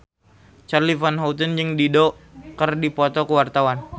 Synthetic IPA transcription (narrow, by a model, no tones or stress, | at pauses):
t͡ʃarlifanɦawt̪̬ənd͡ʒɨŋdidokərdipɔt̪ɔkəwart̪awan